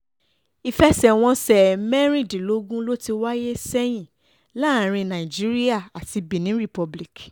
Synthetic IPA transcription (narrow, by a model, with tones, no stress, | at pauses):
i˧fɛ˦sɛ˦˨w̃ɔ̃˧sɛ˨mɛ˦ɾ̃ĩ˦˨di˨lo˨˦ɡũ˦lo˦ti˧wa˦je˦sɛ˦j̃ĩ˦˨ | la˦˨ɾ̃ĩ˧nã˨i˨d͡ʒi˦ɾi˦a˦˨a˨ti˧bĩ˨nĩ˨˦ɾi˦˨pɔ˧bli˦˨k